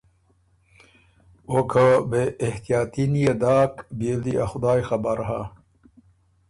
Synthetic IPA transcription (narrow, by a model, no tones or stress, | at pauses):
okʰəbeːht̪ijaːt̪inijed̪aːkbeld̪iaxʊd̪aːjxabaɾɦa